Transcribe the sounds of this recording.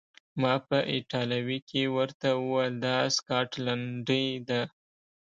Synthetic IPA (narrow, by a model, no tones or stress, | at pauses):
mɑpəʔɪʈɑlawikʰewəɾt̪awəwald̪ɑskɑʈlaɳɖəjd̪a